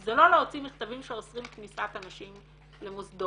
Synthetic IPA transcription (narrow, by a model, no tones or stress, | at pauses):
zelo̞leot͡simiχt̪avimʃeosʁimknisakanaʃim | lemusd̪o